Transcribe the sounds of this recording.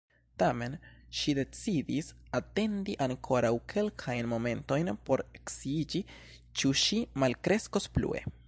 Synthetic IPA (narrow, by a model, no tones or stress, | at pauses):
tame̞nʃide̞t͡sidisate̞ndiʔaŋkʰo̞ɾawkʰe̞lkʰajnmo̞me̞nto̞jnpo̞ɾeksiid͡ʒi | t͡ʃuʃimalkɾe̞sko̞splṵe̞̰